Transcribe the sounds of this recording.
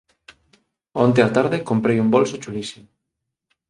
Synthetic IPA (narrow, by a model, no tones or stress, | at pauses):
ont̪eat̪aɾðekompɾejumbolsot͡ʃulisimo